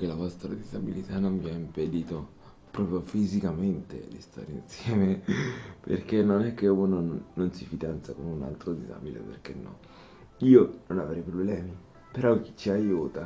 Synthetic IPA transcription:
kelavɔst̪ɾad̪izabilit̪anonviaimped̪iːt̪o | pɾɔːpɾjofizikament̪ḛd̪ist̪a̰ːɾeinsjɛːmepḛrk̟enːonɛk̟ːeunonːonsifid̪ant̪sakonuna̰lt̪ɾod̪iza̰bilḛpḛrk̟enːɔ̰ | iːononavɾɛjpɾoblɛːmi | peɾɔk̟ːi̥t͡ʃːiajuːt̪a

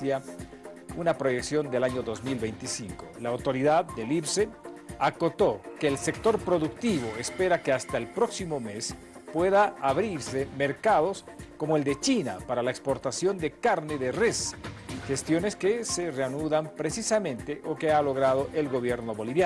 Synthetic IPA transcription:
ja | unapɾo̞jeksjo̞nd̪elaɲo̞ðo̞zmilβejnt̪isiŋko̞laːwt̪o̞ɾiðaðːelipseako̞t̪o̞keːlsek̚t̪o̞ɾpɾo̞ðukt̪iβ̞o̞espe̞ɾakeast̪aelpɾo̞ksimo̞mes | pwe̞ðaːβɾiɾse̞me̞ɾkaðo̞sko̞moe̞ld̪e̞t͡ʃinapaɾalaekspo̞ɾt̪asjo̞nd̪e̞kaɾne̞ðeresxest̪jo̞neskesereanuðampɾe̞sisamẽ̞nt̪eʔokealo̞ɣɾað̞o̞ʔe̞lɣo̞βje̞ɾno̞βo̞liβja

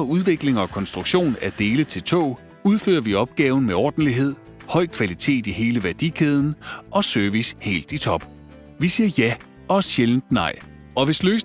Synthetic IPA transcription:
uðˠʋe̝ɡ̥le̝ŋɒ̽kʰɒ̽nsd̥ʁuɡ̥ɕo̝̰ːnæɐd̥e̝ːlət͡sʰe̝lt͡sʰo̰ː | uð̞ˠfø̰ːɐʋiɒ̽b̥̚ɡ̥ɛːʊn̩meɒːd̥n̩liɦe̝ð̞̰ˠ | hɒ̽ɪ̰kʰʋælit͡sʰe̝̰ːd̥ihe̝ːləʋæɐd̥ikʰeð̞ˠn̩ʔɒ̽sœɐʋishe̝̰ːld̥it͡sʰɒ̽b̥ | ʋisiːɐjæ | ɒɕeln̩d̥nɑ̈ɪ̰ | ɒ̽ʋe̝sløːs

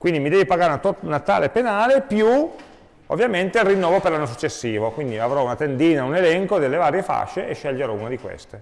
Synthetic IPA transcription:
kwind̪imid̪ɛːvipaɡaːɾnat̪onat̪a̰ːlepenaːlepju | o̰vːjament̪erːinːɔːvoperlanːos̬ut͡ʃːesːiːvokwind̪iavɾɔunat̪end̪iːnaunelɛŋkod̪elːevaːɾjefa̰ʃːeʔeʃːeʎːd͡ʒeɾɔunad̪ikwḛst̪e

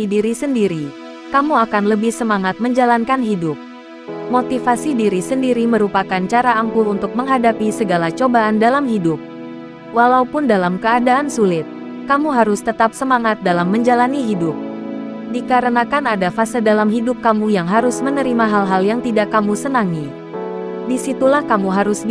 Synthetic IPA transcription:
idiɾisəndiɾi | kamuakanləbɪhsəmaŋat̪̚məɲd͡ʒalankanɦidʊp̚ | mot̪ifasidiɾisəndiɾiməɾupakant͡ʃaɾaaŋkuunt̪ʊk̚məŋɦadapisəɡalat͡ʃobaːndalamɦidʊp̚ | walaupʊndalamkəadaːnsulɪt̪̚ | kamuɦaɾʊst̪ət̪ap̚səmaŋat̪̚dalamːəɲd͡ʒalaniɦidʊp̚dikaɾənakanadafasədalamɦidʊp̚kamujaŋɦaɾʊsmənəɾimaɦalɦaljaŋt̪idakːamusənaŋi | disit̪ulahkamuɦaɾʊs

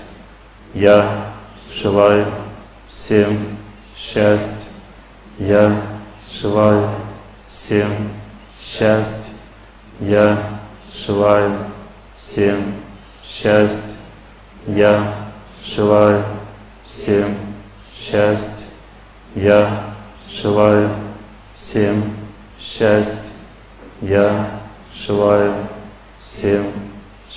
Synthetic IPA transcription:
ja | ʐɨlˠajʊ | fsʲem | ɕæsʲtʲ | ja | ʐ̥ɨlˠajʊ | fsʲem | ɕæsʲtʲ | ja | ʐɨlˠajʊ | fsʲem | ɕæsʲtʲ | ja | ʐɨlˠajʊ | sʲemʲ | ɕæsʲtʲ | jḁ | ɨlˠajʊ | sʲemʲ | ɕæsʲtʲ | ja | ʐ̥ɨlˠajʊ | sʲemʲ

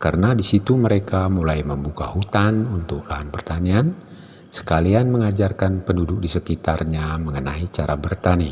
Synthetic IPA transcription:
karənadisit̪uməɾekamulajməmbukahut̪anunt̪ʊk̚laɦanpərt̪anian | sə̥kalianməŋad͡ʒarkanpəndudʊk̚disəkit̪arɲaməŋənait͡ʃaɾabərt̪ani

